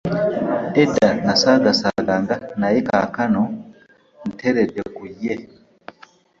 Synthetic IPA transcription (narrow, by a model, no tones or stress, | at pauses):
edanasaɡasaɡaŋɡanaeka̰kano | n̩tʰeɾedekuje